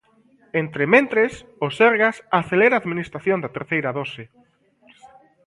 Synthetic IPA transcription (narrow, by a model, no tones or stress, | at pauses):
ent̪ɾemẽnt̪ɾesoseɾɣasaθeleɾaːðminist̪ɾaθjond̪ɐt̪eɾθejɾɐðosɪ